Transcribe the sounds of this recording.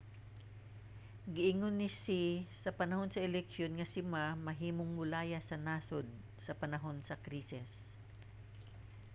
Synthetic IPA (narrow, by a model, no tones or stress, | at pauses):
ɡɪʔɪŋonːɪsisɐpɐnɐho̞nsɐʔɛlɛkʃjonŋɐsɪmamɐɦiːmoŋmʊlaːjɐsɐnaːsod̪̚ | sɐpɐnɐɦo̞nsɐkɾiːsɪs